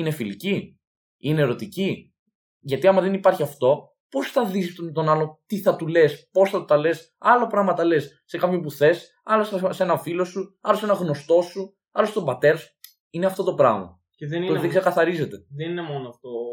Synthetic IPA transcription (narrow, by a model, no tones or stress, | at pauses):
inefilici | ineɾo̞t̪ici | ʝɐt̪iɐmɐðe̞nipɐɾçiɐft̪o̞ | po̞sθɐðist̪o̞nɐlo̞t̪iθɐt̪ule̞spo̞sθɐt̪ot̪ɐle̞s | ɐlopɾɐɣmɐt̪ɐle̞sːe̞kɐpçopuθe̞s | ɐlossee̞nɐfilo̞suɐlo̞se̞nɐɣno̞st̪o̞su | ɐlost̪obɐt̪e̞ɾɐsu | ineɐft̪ot̪o̞pɾɐɣmɐ̰ | eðt̪oðeɡsekɐθɐɾize̞t̪e̞ðeninemonoɐft̪o